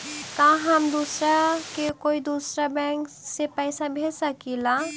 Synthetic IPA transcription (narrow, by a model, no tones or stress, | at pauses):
kãɦɐmd̪uːsɾakekoːid̪uːsɾabɛ̃ːŋk | sepɛɪsabʱeːsɐkilaː